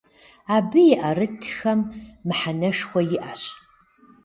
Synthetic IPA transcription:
abɨjiʔarɨtʰxɐmːħanɐʂxʷɐjɪʔaɕ

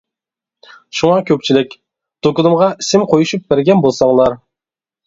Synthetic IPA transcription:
ʃuŋɑkʲʰøp̚t͡ʃʰilɪkʲ | t̪ʰokʊnɨmʁɑisɪmqʰojuʃup̚bæɾɡʲɛnbolˠsɑŋlˠɑɾ

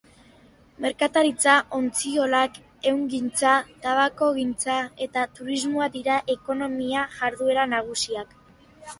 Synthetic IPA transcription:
me̞ɾkat̪aɾit͡saʔo̞nt͡sio̞lak | e̞wŋɡint͡sat̪aβako̞ɣint͡sae̞t̪at̪uɾizmoad̪iɾaʔe̞ko̞no̞miaʝaɾðue̞ɾanaɣ̞usiak

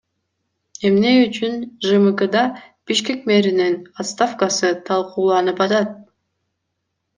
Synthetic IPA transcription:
e̞mne̞yt͡ʃynʒɨmɨkəd̪ɑ | b̥iʃke̞kme̞ɾininat̪st̪afkɑsɯt̪ʰɑlˠquːlˠɑnɯpɑt̪ɑt̪̚

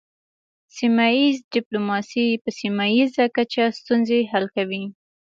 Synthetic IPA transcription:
simajizɖɪplomɑsipəsimajizakat͡ʃast̪unzeɦalkawi

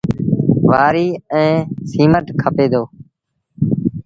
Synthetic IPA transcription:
ʋaːɾiːɛ̃ːsiːməʈkʰəpeːd̪oː

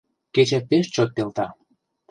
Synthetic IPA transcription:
ket͡ɕepeʃt͡ɕot̪̚pelt̪ɑ

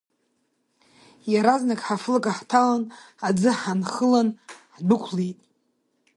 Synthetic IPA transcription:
jaɾaznakʼħaflakʼaħtʰalan | ad͡zɨħanχəlanħdʷʊkʷʰlejtʼ

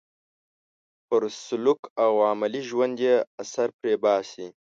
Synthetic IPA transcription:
pəɾsʊlukawaːmaliʒwand̪jeasaɾpɾeːbaːsi

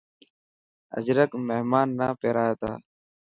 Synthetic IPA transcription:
ə̰d͡ʒɾəkmeɦmaːnːaːpeːɾaːjaːt̪a̰ː

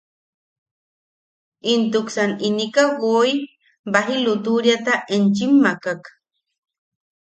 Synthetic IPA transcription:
int̪uksaninikaɡoi | baɦilut̪uɾjat̪aʔent͡ʃimːakak

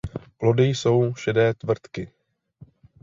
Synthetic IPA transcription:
plo̞dɪjso̞wʃɛdɛːt̪vr̩t̪kɪ

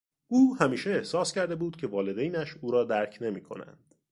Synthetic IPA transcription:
ʔuːhæmiːʃeːhsɒːscæɾd̪e̞buːd̪̥̚cʰe̞vɒːle̞d̪ejnæʃuːɾɒːd̪æɾcʰne̞miːkʰo̞̰næ̰nd̪̥

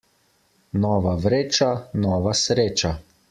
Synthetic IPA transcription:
nɔːʋaʋɾeːt͡ʃanɔːʋasɾeːt͡ʃa

